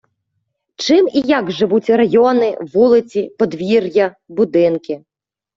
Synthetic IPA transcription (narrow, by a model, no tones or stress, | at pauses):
t͡ʃɪmijaɡʒɪʋut͡sʲɾɐjɔnɪ̰ʋulˠɪt͡sʲipɔd̪ʋʲirjɐ | bʊd̪ɪnkɪ